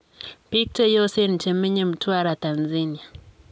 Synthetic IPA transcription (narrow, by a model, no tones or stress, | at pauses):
pik̚tɛjɔsɛnit͡ʃɛmɛɲɛm̩twaɾatanzania